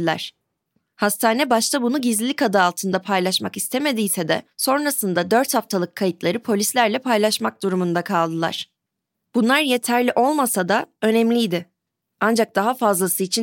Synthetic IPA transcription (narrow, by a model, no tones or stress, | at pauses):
lʲæ̰ɾ̥ | hast̪ʰaːnɛbaʃt̪ʰabunuɟizlʲilʲikad̪ɯːlˠt̪ʰɯnd̪apʰajlˠaʃmakist̪ʰeme̞d̪ijsɛd̪ɛ̰so̞nɾasɯnd̪ad̪ø̞ɾt̪haft̪ʰalˠɯkʰːajit̪lˠaɾɯpʰo̞lʲislʲæɾlʲɛpʰajlˠaʃmak̚d̪uɾumund̪akʰalˠd̪ɯlˠa̰ɾ̝̥ | b̥unlˠaɾje̞t̪ʰæɾlʲiʔo̞lˠmasad̪aø̞nɛmlʲijd̪ɪ | and͡ʒak̚d̪aɦafazlˠasɯit͡ʃʰi